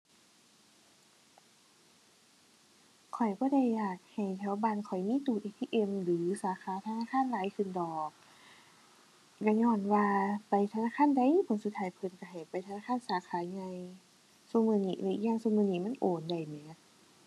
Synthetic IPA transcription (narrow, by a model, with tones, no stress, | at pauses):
kʰɔ˨˩jbɔː˧˦da˧˩˨jːaː˧˨˩k̚ha˨˩jt̪ʰɛː˧˦wbaː˧˨nkʰɔ˨˩jmiː˧˥˨t̪uː˨˩t̪ʔiː˧t̪ʰiː˧˨ʔe˧˨mlɯː˨˦saː˨˦xʰaː˧˦t̪ʰa˧naː˧˥˨kʰaː˧˥˨nlaː˨˦jkʰɯ˧˩˨ndɔː˨˩k̚ | ka˧˩ɲɔː˧˩˨nwaː˧pa˨jt̪ʰa˧naː˧˥˨kʰaː˧˥˨nda˧˨jpʰo˧˦nsu˧˦t̪ʰːaː˧jpʰɤ˧˩˨nka˧˩ɦa˨˩jpa˨jt̪ʰa˧naː˧˥˨kʰa˧˥˨nsaː˨˦kʰaː˨˦ɲa˧j | suː˧˨mɯː˧˨niː˧˩la˧˨ʔi˧jaː˧˨ŋsu˧˨mɯː˧˨niː˧˩˨ma˧˥˨nʔoː˨˩nda˧˩jmɛː˨˦t̪̚